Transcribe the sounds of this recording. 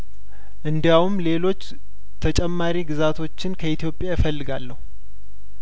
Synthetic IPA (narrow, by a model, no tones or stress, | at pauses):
ʔɨnd̪jawumle̞lo̞t͡ʃː | t̪ʰət͡ʃʼɛmːaɾiɡɨzat̪ʰo̞t͡ʃːɪnkʰəit̪ʰjo̞pʼjajɪfəlːɨɡalːəhu